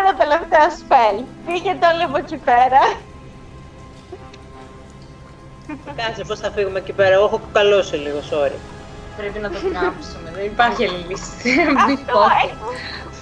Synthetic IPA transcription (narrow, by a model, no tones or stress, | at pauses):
nɐt̪e̞le̞ft̪eɐspelpiçet̪oliɣocipeɾɐ | kɐnsepo̞sθɐfiɣume̞cipeɾɐɣoxokukɐlosiliɣo̞so̞ɾḭɐ | pɾepinɐt̪oɐpsumeenipɐɾçielilisɐio